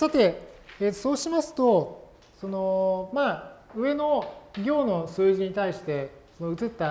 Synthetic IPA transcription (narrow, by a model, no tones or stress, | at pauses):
sat̪e̞eːt̪ːo̥so̞ːɕimasɨ̥t̪o̞ | so̞no̞maɯ̟e̞no̞ɡʲo̞ːno̞sɨːʑiɲ̟it̪aiɕi̥t̪e̞sono̞ɯ̟t͡sɨt̪ːa